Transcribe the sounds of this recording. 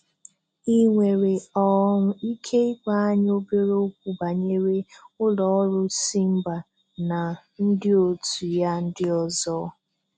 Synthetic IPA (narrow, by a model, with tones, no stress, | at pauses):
i˦ŋʷe˨ɾe˨ɔ˦ŋʊ˦i˦kʰe˦i˦kʷa˦a˦ɲ˦o˦be˦ɾo˦kʷu˨ba˨ɲe˦ɾe˦ʊ˦lɔ˨ɔ˦ɾʊ˦si˦m̩˦ba˨ | na˨ | n̩˦dɪ˦o˨tu˨ja˦n̩˦dɪ˦ɔ˦zɔ˦